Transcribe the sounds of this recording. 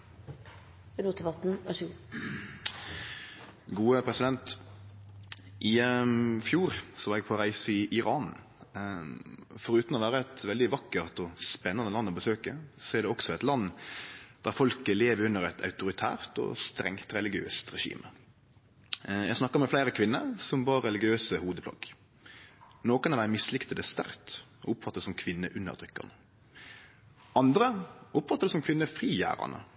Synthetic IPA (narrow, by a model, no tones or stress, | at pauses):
bɛlut̪əʋɑt̪n̩ɑʃuː | ɡuːəpʰɾɛsɪd̪ɛnt̪ | ʔɪfjuːɾsɔʋɑːɾɛɡ̚pʰɔɾæɪsəɪʔɪɾɑːn | fɔɾʉːt̪nɔʋæːɾəɛt̪ʋɛld̪ɪʋɑkːəʁt̪ɔspɛnːɑnəlɑnːɔbəsøːkəsɔæɾɖ̪ɛɔksɔɛt̪lɑnːd̪̥æʁfɔlkəleːʋəɾʉnːəʁɛt̪ʰɑ̰ʉt̪ʊɾɪt̪ʰæ̰ːʁt̪ɔ̰st̪ɾɛ̰ŋt̪ɾɛlɪɡɪø̰ːst̪ʁɛʂḭːmə | jæ̰ɡsnɑkːəɾmɛflæɪɾəkʰʋɪnːəɾsɔmbɑːɾːɛlɪɡɪøːsəhuːd̪əpʰlɑ̰ɡ | noːkənɑʋæɪmɪslɪkt̪əd̪ɛst̪æɾt̪ɔ̰ʊpːfɑt̪ːəd̪sɔmkʰʋɪnːəʔʉnːə̰ʁt̪ʁʏkːɑ̰nə | ɑnd̪ɾəʔʊpfɑt̪ːəɾd̪ɛsɔmkʰʋɪnːəfɾiːjæ̰ːɾɑ̰nə̰